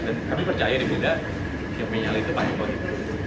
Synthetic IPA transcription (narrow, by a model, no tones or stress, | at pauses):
dank̪amipərt͡ʃajadibuda | jaŋməɲaliit̪upaɪŋkadit̪u